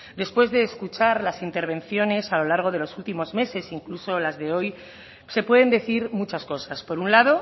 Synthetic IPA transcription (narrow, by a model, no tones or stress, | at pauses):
d̪e̞spwe̞zðe̞ːskut͡ʃaɾlasint̪e̞ɾβ̞e̞nθjo̞ne̞salo̞laɾɣ̞o̞ð̞e̞lo̞sult̪imo̞zme̞se̞siŋkluso̞lazðe̞o̞j | se̞pwe̞ðe̞nd̪e̞θiɾmut͡ʃasko̞saspo̞ɾunlaðo̞